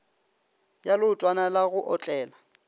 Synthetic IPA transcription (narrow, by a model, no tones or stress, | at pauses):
jalʊtʼwanalaɣʊʔɔt͡ɬʼɛːla